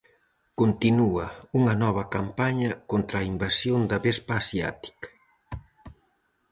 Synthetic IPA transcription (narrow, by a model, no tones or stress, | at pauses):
kont̪inuɐuŋɐnɔβ̞ɐkampaɲɐkont̪ɾaːimbasjond̪ɐβɛspaːsja̰t̪i̥k